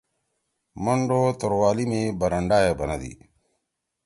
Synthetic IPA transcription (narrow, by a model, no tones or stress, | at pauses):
məɳɖoːt̪ʊɾwaːliːmẽːbəɾəɳɖaːjeːbənəd̪ḭː